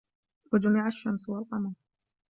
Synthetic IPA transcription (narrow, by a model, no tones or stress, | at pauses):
wad͡ʒamɪʕaʃːamswalqɑmɑɾˤ